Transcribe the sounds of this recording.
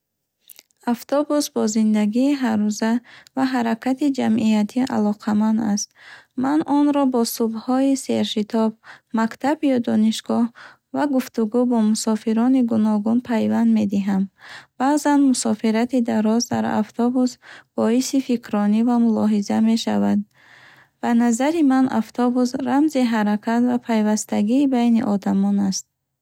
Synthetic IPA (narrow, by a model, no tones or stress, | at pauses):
aft̪ʰɔbusbɔzind̪aɡiːɦaɾuzavaɦaɾakʰat̪id͡ʒamʔiat̪ʰiʔa̰lɔqʰamand̪ast̪manɔnɾɔbɔsubhɔise̞ɾʃit̪ʰɔbmakt̪ʰabjɔd̪ɔniʃɡɔh | vaɡuft̪uɡubɔmusɔfiɾɔniɡunɔɡunpʰajvand̪me̞d̪iɦamb̥azanmusɔfiɾat̪id̪aɾɔzd̪a̰ɾa̰ft̪ʰɔbusb̥ɔisifikʰɾɔnivamulɔɦizame̞ʃa̰vad̪̚ | b̥anazaɾimanʔa̰ft̪ʰɔbus̬ɾamziɦaɾakʰat̪vapʰajvast̪aɡiːbajniʔɔd̪amɔnast̪̚